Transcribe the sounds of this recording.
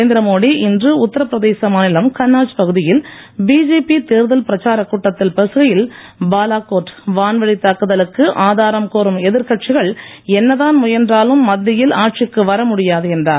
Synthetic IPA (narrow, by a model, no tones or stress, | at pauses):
nd̪ɪɾɐmoːɽiʔɪndrɯʊt̪ːɐɾɐpːɪɾɐðeːsɐmaːnɪlɐmkɐnːaːt͡ʃpɐɣɯðɪjɪl | biːd͡ʒeːpit̪eːɾðɐlpɪɾɐt͡ʃaːɾɐkːuːʈːɐt̪ːɪlpɛsɯɣɐjɪlbaːlaːkoːʈːʋaːnʋɐɭit̪ːaːkːɯðɐlɯkːɯʔaːðaːɾɐmkoːɾɯmɛðɪɾkɐʈ̚t͡ʃɪɣɐɭ | ɛnːɐðaːnmʊjɐndraːlɯmːɐd̪ːɪjɪlaːʈ̚t͡ʃɪkːɯʋɐɾɐmʊɽɪjaːðɯɛndraː